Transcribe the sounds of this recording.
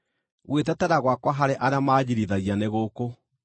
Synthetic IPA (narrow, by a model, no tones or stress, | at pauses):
ɣwetɛtɛɾaɣwakwaɦaɾeʔaɾeamaːd͡ʑiɾiðaɣianeɣoko